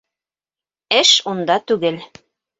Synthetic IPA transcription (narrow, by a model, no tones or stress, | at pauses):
ɘʃund̪ɑt̪ʉɡɘl